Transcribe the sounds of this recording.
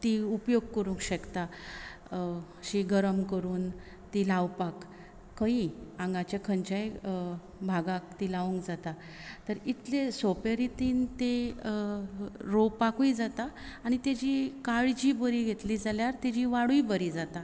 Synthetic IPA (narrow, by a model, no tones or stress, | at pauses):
t̪iupjoɡ̚kəɾũŋkɕəkt̪a | ɕiɡəɾəmkəɾuːn | t̪ilawpakː | əiãŋɡat͡ɕakʰəɲt͡ɕaj | bʱaɡak̚t̪ilaʋũŋkd͡zat̪a | t̪əɾit̪lesopeɾit̪iːnt̪e | ɾowpakuid͡zat̪aːɽ̃it̪jad͡ʑikaɭd͡ʑibəɾiɡʱet̪liːd͡zaljaɾt̪ad͡ʑiʋaɽuibəɾid͡zat̪a